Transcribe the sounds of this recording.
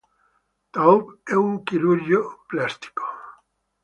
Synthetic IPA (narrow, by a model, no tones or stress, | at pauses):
t̪aupeuŋkiluɾjoplast̪i̥ko̥